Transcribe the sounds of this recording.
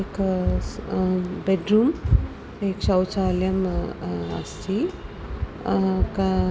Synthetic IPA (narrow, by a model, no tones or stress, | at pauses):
ek | beɖɾuːm | eksɐwt͡ʃaːljɐm | ɐ̰st̪ʰi | ka